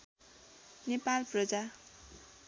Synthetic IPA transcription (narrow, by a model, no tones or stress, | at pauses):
nepalprʌd͡za